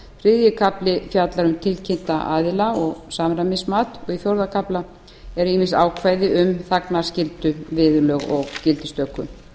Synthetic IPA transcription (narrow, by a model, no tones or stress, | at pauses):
fɾɪðjɪkʰaplɪfjat̪laɾʏmt̪ʰɪlcʰɪnt̪aʔaːðɪlaɔɣsaːmɾamɪsmaːt̪ɔɣiθjowɾðakʰapla | ɛɾimɪnsaːwkʰvaːjðɪʔʏmθaknḁscɪlt̪ʏvɪːðʏlœɣɔɣcɪlt̪ɪst̪œkːʏ̰